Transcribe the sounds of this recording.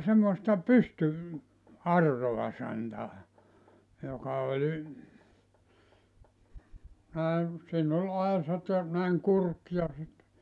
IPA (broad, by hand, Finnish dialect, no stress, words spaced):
semːoĕstɑ pysty ɑrːoɑ sɑntɑː jokɑ olʲ næe siːn olʲ ɑesɑt jɑ næiŋ kurk jɑ sit